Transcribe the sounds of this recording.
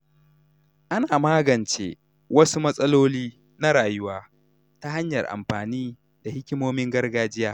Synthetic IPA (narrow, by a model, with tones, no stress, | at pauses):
ʔa˦naː˨maː˦ɡɐ˨nt͡ʃḛː˦ | wɐ˦su˦mɐ˦sʼɐ˦loː˦liː˦ | na˦ɾaː˨jʊ˦waː˦ | ta˦ɦa˦ɲjɐ˨rʔa̰˨mɸaː˨niː˦ | da˨hɪ˦kʲɪ˦moː˦mɪ˦ŋɡɐ˦rɡaː˦d͡ʒɪ˦jaː˦